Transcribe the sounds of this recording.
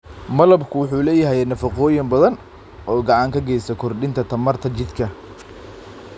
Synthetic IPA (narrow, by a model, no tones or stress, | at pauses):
mɐlɐbkʰʊwʊħuːlɛːjɐɦɛnɐfɑqɔːjɪmbɐðɐn | ɔːɡɑʕɑŋkʰɐɡɛjsɐkʰɔrɖɪnt̪ʰɐt̪ʰɐmɐrt̪ʰɐt͡ʃɪd̪kʰɐ